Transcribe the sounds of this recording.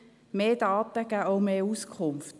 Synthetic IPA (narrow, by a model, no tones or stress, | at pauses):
meːd̪ɑːb̚d̪ɛkəoːmeːuːskʰʊmft̪